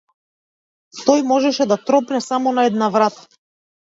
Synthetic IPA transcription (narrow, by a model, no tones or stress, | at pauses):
t̪ɔjmɔʒɛʃɛd̪at̪ɾɔpnɛsamɔnaɛd̪navɾat̪ḁ